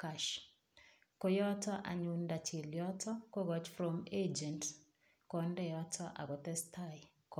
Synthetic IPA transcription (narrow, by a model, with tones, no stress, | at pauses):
kaʃ | ko˦jɔ˦tɔ˦ʔa̰˨ɲunda˨t͡ʃe˨ljɔ˦tʰɔ˦ko˦ɡɔt͡ʃfɾɔmed͡ʒɛ˨nt | kɔndɛ˦jɔ˦tɔ˦ʔa̰˨ɡɔ˨tɛ˦stʰaj | k